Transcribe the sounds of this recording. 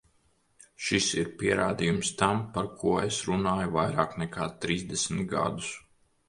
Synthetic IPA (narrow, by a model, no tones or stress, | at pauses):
ʃisiɾpiɛɾaːd̪ijumst̪ampaɾkʰuɔesɾunaːjuvajɾaːknɛkʰaːt̪ɾiːzd̪esmit̪ɡa̰d̪u̥s